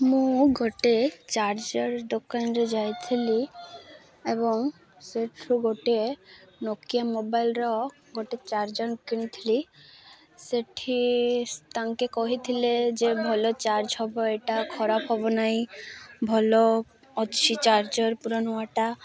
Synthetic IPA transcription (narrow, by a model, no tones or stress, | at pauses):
mũɡɔʈet͡ɕaɾd͡ʑɔɾd̪okanɾed͡ʒajt̪ʰili | eβoŋ | seʈʰɾuɡʱoʈenokijamobajlɾɔ | ɡʱoʈet͡ɕaɾd͡ʑɔnkiñit̪ʰili | seʈʰːit̪aŋkekɔɦit̪ʰiled͡ʑebʱɔlot͡ɕaɾd͡ʑɦɔboeʈakʰɔɾapɦɔbonajbʱɔlo | ɔtːʃʰit͡ɕaɾd͡ʑɔɾpuɾanuaʈa